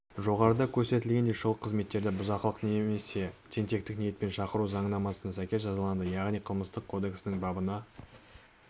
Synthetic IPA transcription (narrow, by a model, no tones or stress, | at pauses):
ʒo̞ʁɑɾəd̪ɑkʲʰɵɾse̞t̪ɪlɡʲe̞nd̪eʃʊlˠəqʰːəzme̞t̪ːe̞ɾd̪ɪbʊzɑqəlˠəqneme̞se̞t̪ʰe̞nt̪e̞k̚t̪ɪknije̞t̪̚pe̞nʃɑqəɾuzɑɴənɑmɑsənɑsækʲe̞s̬ʒɑzɑlˠɑnd̪əjɑʁnijqʰəlˠməst̪əqʰo̞d̪e̞ksɪnɪŋbɑbənɑ